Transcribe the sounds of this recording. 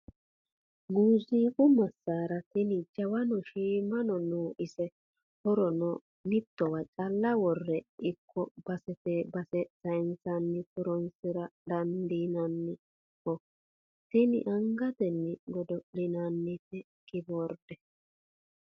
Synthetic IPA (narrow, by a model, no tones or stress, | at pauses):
ɡuːziːkʼʊmɐsːaːɾɐt̪ɪnɪd͡ʒɐwɐnɔʃiːmɐnɔnuːʔɪsɛ | hɔɾɔnɔ | nɪt̪ːɔwɐt͡ʃʼɐlːɐwɔrːɛʔɪkʰːɔb̥ɐsɛt̪ɛbɐsɛsɐjnsɐnːɪtɔɾɔnsɪɾɐd̪ɐnd̪inɐnːɪ | kːɔ | t̪ɪnɪ̰ʔɐŋɡɐt̪ɛnːɪɡɔd̪ɔʔlɪnɐnːɪt̪ɛ | kɪboɾd̪̥ɛ